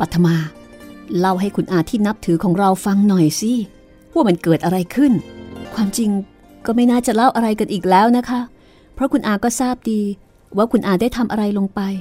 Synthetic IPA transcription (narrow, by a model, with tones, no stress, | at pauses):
pa˨˩t̪ʰːa˧maː˧ | la˥˩wɦa˥˩jkʰu˧nʔaː˨˩t̪ʰiː˥˩na˦˥p̚t̪ʰɯː˩˦kʰɔː˩˦ŋɾa˧wfa˧ŋnɔ˨˩jsi˦˥ | pʰu˥˩˨ma˧˥nkɤː˨˩t̪̚ʔa˧ɾa˧jkʰɯ˥˩nkʰwaː˧mt͡ɕi˧ŋ | kɔː˥˩ma˥˩jnaː˥˩t͡ɕa˨˩la˥˩wʔa˧ɾa˧jka˧nʔiː˨˩k̚lɛː˦˥wna˦˥kʰa˦˥ | pʰɾɔ˦˥kʰu˧nʔaː˧˩kɔː˥˩saː˥˩p̚diː˧ | waː˦˥kʰu˧nʔaː˨˩daː˥˩jt̪ʰa˧mʔa˧ɾa˧jlo˧ŋpa˧j